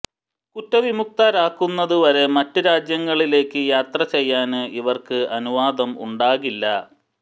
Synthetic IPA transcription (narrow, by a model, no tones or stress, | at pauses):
kutːɐʋimuk̚t̪aːɾaːkːunːɐðuʋɐɾe̞mɐtːɨɾaːd͡ʑjɐŋːɐɭile̞ːkːɨjaːt̪rɐt͡ɕe̞jːaːnɨʔiʋɐrkɨɐnuʋaːd̪ɐmṵɳɖaːɣilːɐ